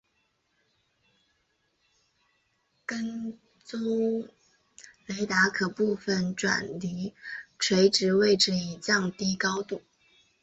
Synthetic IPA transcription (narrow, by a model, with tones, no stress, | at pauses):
kə˥n | t͡so˥ʊ | le˧˥ɪt̪a˧˥kʰɤ˨˩pu˥˧fə˩nʈ͡ʂwa̰˨˩nli˧˥ʈ͡ʂʰwe˧˥ɪʈ͡ʂɻ̩˧˥we˥˩ɪʈ͡ʂɻ̩˧˥i˨˩t͡ɕjɑ˥˧ŋt̪i˥kɑ˥ʊt̪u˥˩